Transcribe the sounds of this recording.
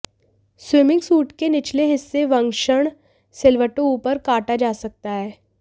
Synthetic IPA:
swɪmɪ̃ŋɡsuːʈkenɪt͡ʃleɦɪsːeʋɐ̃ŋɡʃəɽ̃ | sɪlʋəʈõuːpəɾkaːʈad͡ʒaːsɐk̚t̪aɦɛː

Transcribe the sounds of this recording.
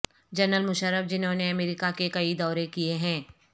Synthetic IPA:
d͡ʒɐɾnəlmʊʃəɾəbd͡ʒɪnɦõːneɐmeːɾɪkakekɐid̪ɔːɾekieɦɛ̃ː

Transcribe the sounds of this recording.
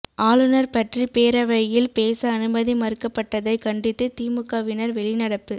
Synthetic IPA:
ʔaːlɯnɐɾpɐʈripeːɾɐʋɐjjɪlpeːsɐːnɯbɐðimɐɾɯkːɐpːɐʈːɐðɐɪkɐɳɖɪt̪ːɯt̪iːmɯkːɐʋɪnɐɾʋɛɭɪnɐɽɐpːɯ

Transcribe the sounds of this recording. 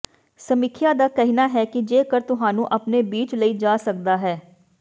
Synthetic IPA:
səmɪkʰjaːd̪aːkɛɦinaːɦɛːkɪd͡ʒeːkəɾt̪ʊɦaːnũːʔəpneːbiːt͡ʃləiːd͡ʒaːsək̚d̪aːɦɛː

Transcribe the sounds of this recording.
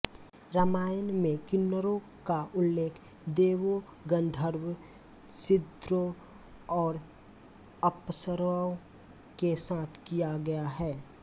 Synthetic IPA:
ɾəmaːjənmẽkɪnːəɾõ | kaʔʊlːeːkʰ | d̪eːwo | ɡə̃nd̪ʱəɾw | sɪd̪ɾo | ɔːɾ | əpsəɾao | kesaːt̪ʰkijaɡɐjaɦɛː

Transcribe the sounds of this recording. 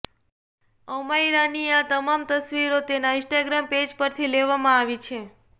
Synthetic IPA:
əmaiɾaniat̪əmamt̪əsʋiɾot̪enaɪ̃nsʈaɡɾamped͡ʒpəɾt̪ʰileʋamãaʋit͡ʃʰe

